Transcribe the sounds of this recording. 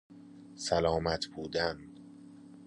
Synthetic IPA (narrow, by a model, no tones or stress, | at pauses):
sælɒːmæt̪ʰbuːd̪æn